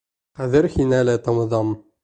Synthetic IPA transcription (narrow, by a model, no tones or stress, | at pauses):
qæðɘɾhinælæt̪ɑmɤ̆ðɑm